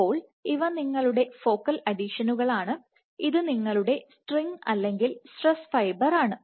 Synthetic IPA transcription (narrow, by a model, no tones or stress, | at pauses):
o̞ːɭ | iʋɐniŋːɐɭuɽe̞fo̞ːkːɐlɐɖiʂɐnuɣɐɭaːɳɨ | iðɨniŋːɐɭuɽe̞sʈriŋɡɐlːe̞ŋɡilsʈresfɐjbɐraːɳɨ